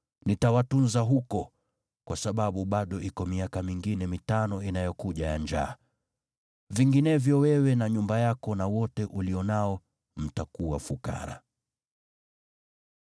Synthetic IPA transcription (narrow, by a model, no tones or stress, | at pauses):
nitawatunzaɦukɔ | kwasaɓaɓuɓaɗɔikɔmiakamiŋɡinɛmitanɔinajɔkuʄajaɲd͡ʒa̰ː | viŋɡinɛvjɔwɛwɛnaɲumbajakɔnawɔtɛʔuliɔnaɔ | m̩takuwa̰fuka̰ɾa̰